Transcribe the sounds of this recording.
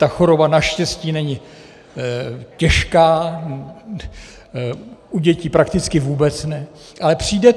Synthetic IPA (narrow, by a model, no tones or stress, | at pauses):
t̪axo̞ɾo̞banaʃcɛsciːnɛɲɪ | cɛʃkaː | ʔuɟɛciːpɾakt̪ɪt͡skɪvuːbɛt͡snɛ | ʔalɛpr̝̥iːdɛ